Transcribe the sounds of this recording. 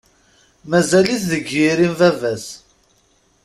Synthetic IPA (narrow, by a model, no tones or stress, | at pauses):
mæzæliθðəɡjiɾimvævæs